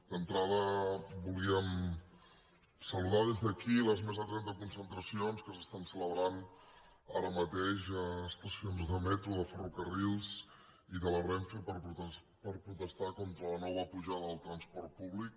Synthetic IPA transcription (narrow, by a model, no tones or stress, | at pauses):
d̪ənt̪ɾaðəbuliəm | səluðaðezðəkiləzmezðət̪ɾɛnt̪əkunsənt̪ɾəsionskəsə̥st̪ansələβɾan | aɾəmət̪eʃəːst̪əsionzðəmɛt̪ɾuðəfərukərilˠz | iðələβɾɛɱfepəɾ | pəɾpɾut̪əst̪akɔnt̪ɾələnɔβəpuʒaðəəlˠt̪ɾənspɔɾt̪̚puβlik̚